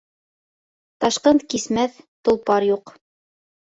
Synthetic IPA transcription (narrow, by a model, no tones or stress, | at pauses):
t̪ɑʃqɤnt̪kismæθt̪ŏlˠpɑɾjuq